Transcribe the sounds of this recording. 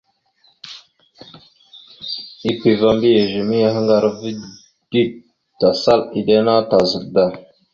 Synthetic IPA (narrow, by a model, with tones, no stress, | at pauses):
i˦kʷi˨va˦mbi˦je˨ʒe˨mi˦ja˦ɦə˦ŋɡa˦ɾvi˦ | d̥i˦˨ | ta˨sa˦li˨de˦na˦ta˨zə˨k̚da˨